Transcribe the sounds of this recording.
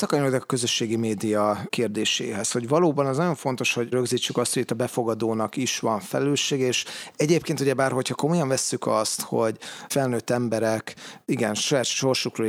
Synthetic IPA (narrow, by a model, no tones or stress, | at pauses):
sɒkɒɲoɡd̪ɛkɒ̥kø̞zø̞ʃːeːɡimeːd̪ijɒkeːrd̪eːʃḛːɦɛsho̞ɟvɒloːbɒnɒznɒɟo̞ɱfo̞nt̪o̞ʃho̞ɟrøɡziːt͡ʃːykɒst̪hoɟit̪ːɒbɛfo̞ɡɒd̪oːnɒkiʃʋɒɱfɛ̰lɛløːʃːeːɡɛeːʃɛɟeːp̚keːnt̪uɟɛbaːrho̞chɒko̞mojɒɱvɛsːykɒst̪ho̞̰ɟfɛlnøːt̪ːɛmbɛɾɛkiɡɛnʃɒjaːt̪ʃo̞rʃukroː